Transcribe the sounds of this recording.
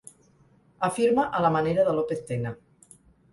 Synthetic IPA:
afiɾmaʔalamaneɾaðəlopest̪ena

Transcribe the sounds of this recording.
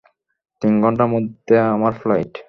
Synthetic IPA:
t̪inɡʱɔɳʈamod̪ʱeamaɾflajʈ

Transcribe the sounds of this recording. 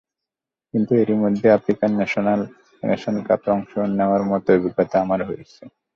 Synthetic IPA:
kint̪ueɾimod̪ʱːeafɾikanːɛʃonal | nɛ̰ʃonka̰p̪ɔŋʃonːeoaɾmɔt̪oobʱiɡat̪aamaɾɦoet͡ɕʰe

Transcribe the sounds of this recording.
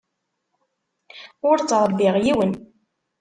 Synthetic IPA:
ʊɾt͡sːɾˤɾbiʁjiwən

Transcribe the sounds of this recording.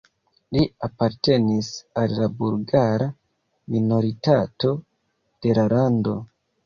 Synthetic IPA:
liapaɾte̞nisalːabulɡaɾa | mino̞ɾitato̞ | d̥e̞lalando̞

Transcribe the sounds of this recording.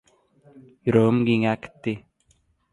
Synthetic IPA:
ɾoːmɡiŋakt̪ːi

